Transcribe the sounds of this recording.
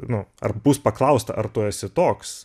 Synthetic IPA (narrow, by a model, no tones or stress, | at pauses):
nʊɐ̰rbuːspɐklˠɐʊst̪ɐ̰ʔɐrt̪ʊːɛsʲɪt̪oːks